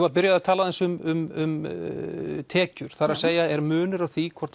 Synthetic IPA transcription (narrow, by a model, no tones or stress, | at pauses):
vapɪɾjaðat̪ʰaːlaθɛnsʏmʏmʏm | t̪ʰɛːcʏɾ̥θaɾaðseːjaɛɾmʏːnʏɾawθikkʰvɔ̥t̪